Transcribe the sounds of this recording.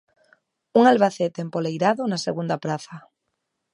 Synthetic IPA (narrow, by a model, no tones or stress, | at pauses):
uŋalβaθet̪empolejɾaðonasḛɣund̪apɾaθa